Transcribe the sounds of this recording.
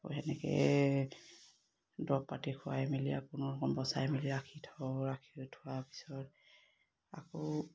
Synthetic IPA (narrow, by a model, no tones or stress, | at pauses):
o̰jɦɛnɛkɛ̰ | dɔppatikʰʊwaɛmilija̰kunɔɔkɔmbɔsa̰jɛmiliɾakʰitʰɔɹakʰitʰʊwapi̥sɔt | akɔ